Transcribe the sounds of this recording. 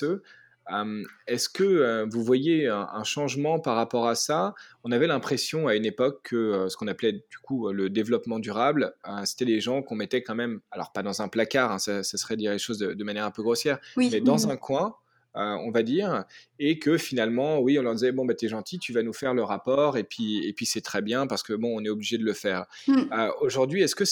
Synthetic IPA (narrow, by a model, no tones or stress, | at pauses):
ø | ømɛskəøvuvwajeɛ̃ʔɛ̰̃ʃɑ̃ʒmɑ̃paʁːapɔʁasaɔ̃navɛlɛ̃pχesjɔ̃aynepɔkʰːəøsə̥kɔ̃naplɛd̪̥ykʰuøləd̪evlɔpmɑ̃d̪yʁabløse̥t̪ɛd̪eʒɑ̃kɔ̃mɛt̪ɛkɑ̃mɛmalɔ̰ʁpad̪ɑ̃zɛ̃plakaʁɛ̃sasasəχɛd̪d̪iʁleʃozd̪əd̪əmanjɛʁɛ̃pøɡʁosjɛːʁimɛd̪ɑ̃zɛ̃kwɛ̃ | øɔ̃vad̪iːʁekəfinalmɑ̃wiɔ̃lœʁd̪izɛbɔ̃bat̪yɛʒɑ̃t̪ʰit̪yvanufɛʁləʁapɔʁepɥiḛpɥisɛt̪χɛbjɛ̃paʁsə̥kəbɔ̃ɔ̃nɛobliʒed̪ələfɛːʁ | øoʒuʁd̪ɥiɛskə